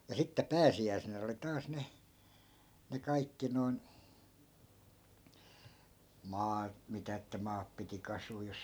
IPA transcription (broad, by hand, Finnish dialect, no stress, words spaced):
jɑ sitːe pæːsiæi̯senæ oli tɑːs ne ne kɑikːi noi̯n mɑːt mitæ etːæ mɑːp piti kɑsuː jos